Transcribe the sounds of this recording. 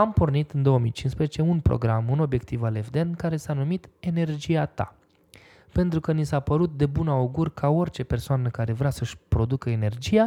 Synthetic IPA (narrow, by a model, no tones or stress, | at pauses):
ampo̞rnit̪ɨnd̪o̞wəmijt͡ʃinspɾezet͡ʃe̞unpɾo̰ɡɾamuno̞bje̞kt̪ivalevd̪enkaɾe̞sanumit̪e̞ne̞rd͡ʒijat̪a̰ | pe̞nt̪ɾukənisapəɾut̪̚d̪e̞bunauɡurʲkʰao̞rʲt͡ʃe̞pe̞rsoanəkaɾe̞vɾeasəʃʲpɾo̞d̪ukəene̞rd͡ʒija